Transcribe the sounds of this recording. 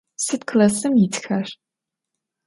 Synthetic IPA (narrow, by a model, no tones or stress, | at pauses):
sɨtkʰlɐsɨmjɪtʰxɐʂ